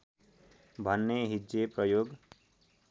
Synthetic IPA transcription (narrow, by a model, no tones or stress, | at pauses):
bʱʌnːeɦid͡ʒeprʌjoɡ